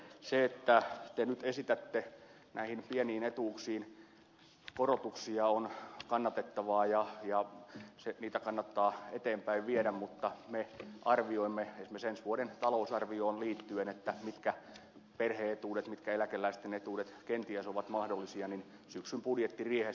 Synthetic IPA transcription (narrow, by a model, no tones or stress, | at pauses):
seet̪ːæt̪enyt̪esit̪æt̪ːe | næihinpieniːnet̪uːksiːn | korot̪uksiɑonkɑnːɑt̪et̪ːɑʋɑːjɑjɑseniːt̪ækɑnːɑt̪ːɑːet̪eːmpæiʋʋieɾæmmut̪ːɑmeʔɑrʋioimːeesmesensʋuodent̪ɑlousɑrʋioːnliːt̪ːyenet̪ːæmit̪kæ | perheːet̪uːdet̪mit̪kæelækelːˑæist̪enet̪uːdet̪kent̪iæsoʋɑt̪mɑhdolːisiɑnin | syksympudjet̪ːiriehe